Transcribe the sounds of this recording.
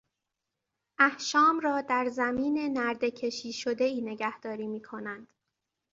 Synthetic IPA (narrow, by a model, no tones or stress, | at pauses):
ʔæhʃɒːmrɒːd̪æɾzæmiːnenæɾd̪e̞cʰe̞ʃiːʃod̪e̞iːne̞ɟæhd̪̥ɒːɾiːmiːkʰo̞nænd̪̥